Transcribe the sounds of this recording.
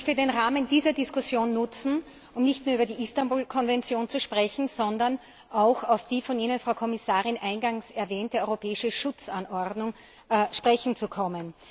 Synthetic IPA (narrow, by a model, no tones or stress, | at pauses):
çtədeːnʁaːmənd̥iːzɐdɪskʊsjoːnːʊt͡sn̩ | ʔʊmnɪçtnuːɐyːbɐdiːʔistambuːlkʰɔnvɛnt͡sjoːnt͡suʃpʁ̥ɛçn̩z̥ɔndɐn | ʔaʊxaʊfd̥iːfɔniːnənfʁaʊkʰɔmɪsaːʁɪnʔãɪnɡaŋsɛɐvɛːntəɔʏʁopʰɛːɪʃəʃʊt͡sanɔɐdnʊŋ | ʃpʁ̥ɛçn̩t͡sukʰɔmən